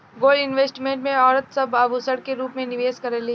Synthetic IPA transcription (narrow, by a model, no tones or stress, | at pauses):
ɡoːlɪnʋeːsʈimẽːɳʈmẽɔːɾət̪sɐbɐbusɐɽkeɾuːpmẽnɪʋeːskɐɾɛli